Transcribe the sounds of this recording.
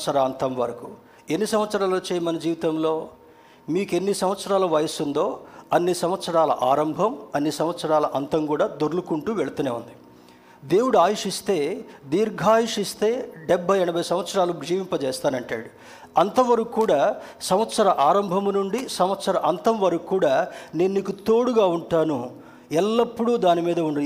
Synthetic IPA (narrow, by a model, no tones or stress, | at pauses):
sɐɾɐɐnt̪ɐmʋɐɾɐku | e̞nːisɐmʋɐt̪sɐɾaːloːt͡ʃɛːjɐmɐnɐd͡ʒiːʋit̪ɐmloː | miːke̞nːisɐmʋɐt̪sɐɾaːlɐʋɐjɐsund̪o̞ːɐnːisɐmʋɐt̪sɐɾaːlɐ̰ʔaːɾɐmbʱɐmɐnːisɐmʋɐt̪sɐɾaːlɐʔɐnt̪ɐŋkuːɽaːd̪oɾlukuɳʈuʋeɭɐt̪ɐneːund̪i | d̪e̞ːwuɽuaːjiʂist̪e̞ːd̪iːɾɡʱaːjiʂist̪e̞ːɖɛbʱːɐjɛɳɐbʱɐjsɐmʋɐt̪sɐɾaːluɡʐiːʋimpɐt͡ʃɛːst̪aːnɐɳʈa̰ːɽu | ɐnt̪ɐʋɐɾɐkukːuːɽaːsɐmɐt̪sɐɾɐʔaːɾɐmbʱɐmnuɳɖisɐmʋɐt̪sɐɾɐʔɐnt̪ɐmʋɐɾɐkukːuːɽaːneːnːiːkut̪oːɽuɡaːuɳʈaːnu | ɛlːɐpːuɽuːd̪aːnimiːd̪ɐuɳ